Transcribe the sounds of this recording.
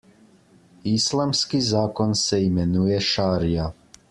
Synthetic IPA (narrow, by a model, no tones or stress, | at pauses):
islˠamskizaːkonseimenujeʃaːɾija